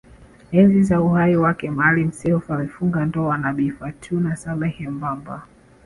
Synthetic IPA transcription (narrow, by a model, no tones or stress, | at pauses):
ɛnzizauhaiwakɛmaalim̩sɛɔfamɛfuŋɡandɔwanaɓifatʰunasalɛhɛmbamba̰